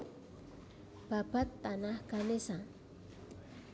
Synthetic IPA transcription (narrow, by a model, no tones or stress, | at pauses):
b̥a̤b̥a̤t̪ːanahɡ̥anesa